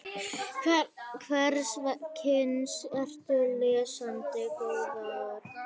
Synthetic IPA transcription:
kʰvɛɾsvakʰɪnsɛr̥t̪ʏlɛːsant̪ɪkɔvaðʏɾ̥

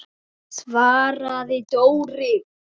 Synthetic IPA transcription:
svaːɾaðɪt̪owɾɪ

